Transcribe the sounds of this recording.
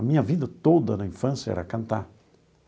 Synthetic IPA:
ɐmĩɲɐvid̪ɐt̪od̪ɐnɐĩfɐ̃sjɐɛ̰ɾɐkɐ̃nt̪aɾ

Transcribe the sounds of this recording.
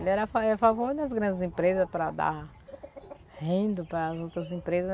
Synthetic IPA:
lɪɛɾɐfaɛafavoɾd̪ɐz̬ɡɾɐ̃nd̪ɪzĩpɾezɐspɾɐd̪a̰ | hẽd̪ʊpɾɐːzowt̪ɾɐzĩpɾezɐz

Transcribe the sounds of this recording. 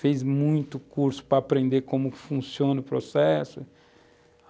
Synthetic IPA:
fejzmũj̃t̪ʊkuɾsʊ̥pɾɐapɾẽnd̪eɾkõmʊkɪ̥fũsiõnʊpɾosɛsʊ

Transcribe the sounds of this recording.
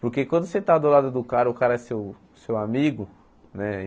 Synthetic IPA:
poɾkekwɐ̃nd̪ʊset̪ad̪olad̪ʊd̪ʊkaɾɐʊkaɾɐɛsew | sewamiɡʊ | nɛ

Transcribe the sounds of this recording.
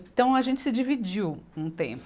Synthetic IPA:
t̪ɐ̃w̃ɐʒẽnt͡ʃɪ̥sɪd͡ʒivid͡ʒiwũt̪ḛ̃p

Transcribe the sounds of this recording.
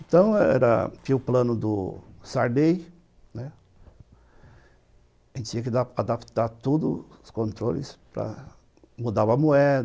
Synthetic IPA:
ẽnt̪ɐ̃w̃ɛɛ̰ɾɐ̰fiʊplɐ̃nʊd̪ʊsaɾd̪ej | nɛ | ʒẽnt͡ʃ̪ɪt͡ʃĩɐkd̪aad̪apt̪aɾt̪od̪ʊskõnt̪ɾolɪ̰spɾɐ̰ | mud̪avɐmuɛd̪

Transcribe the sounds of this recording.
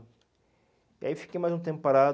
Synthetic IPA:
ia̰iwfi̥kejmajzũt̪ẽpʊpaɾa

